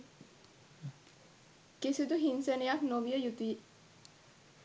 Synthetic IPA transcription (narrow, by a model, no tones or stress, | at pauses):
kesid̪uɦinsenejaknoʋijəjut̪i